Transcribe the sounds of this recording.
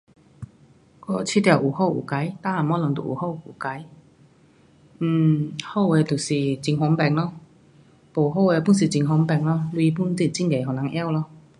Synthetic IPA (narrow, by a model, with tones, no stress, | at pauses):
kɔ˧˩t͡ɕʰi˧˥˩t̪ja˨˩wʔu˨˩ho˥˩wʔṵ˨˩ka˨˦jt̪a˥˨a˨˩mɔ˨˧˥lɔ˨˩ŋt̪ṵ˨˩˨ʔṵ˨˩ho˥˩wṵ˨˩ka˨˧˦j | n̩˨˩ho˥˩wɛ˧t̪u˨˩si˨˩t͡ɕi˧ŋɦwɔ˧˥˦ŋpɛ˨˩ŋlɔ˧ | po˨˩ɦo˥˧wɛ˧pu˥˨ns̬i˨˩t͡ɕi˧ŋɦwɔ˧˥ŋpɛ˨˩ŋlɔ˧lwi˧pu˥˨nt̪i˧˩t͡ɕi˥˩ŋke˨˩ɦɔ˨˩na˧˥˦ŋʔja˥˧˨wlɔ˧